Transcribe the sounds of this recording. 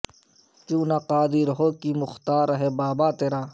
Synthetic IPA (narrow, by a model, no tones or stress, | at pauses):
t͡ʃuːnaqaːd̪iɾɦoːkimʊxt̪aːɾɐɦebaːbaːt̪eɾaː